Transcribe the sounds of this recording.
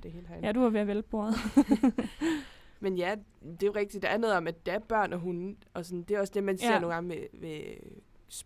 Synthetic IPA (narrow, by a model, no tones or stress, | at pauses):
d̥e̝he̝ːld̥æjæd̥uhɑʋeɐʋelb̥o̝ɐð̩ˠ | menjæd̥e̝ʁeɡ̥̚d̥id̥eæɐnɔð̩ˠɒ̽mæd̥d̥ææɐb̥ɶɐ̰nɒ̽ɦunʔɒ̽sɒ̽nd̥e̝æɒ̽sd̥e̝mænse̝ɐ̰no̝ːnɡ̥ɑ̈ŋəʋeʋe | s